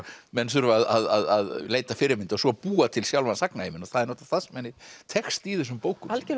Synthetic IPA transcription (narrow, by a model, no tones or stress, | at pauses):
mɛnsʏɾaða̰ðaða̰ðleːjt̪afɪɾɪmɪnt̪ɔsɔpuːat̪ʰɪlsjawlvansaknaejmɪnɔθaðɾnowt̪ḁθasmɛnːɪt̪ʰɛxst̪iðɛsʏmpoːwkʏalcɪ